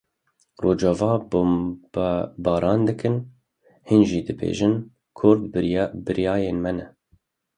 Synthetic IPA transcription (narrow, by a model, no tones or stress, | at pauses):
roːd͡ʒɑvɑːb | bɑːɾʔɑːnd̪ɨkʰɨn | hinʒiːd̪ɨbḛːʒɨn | kʰʊɾd̪bɨɾijɑːjeːnmɛnɛ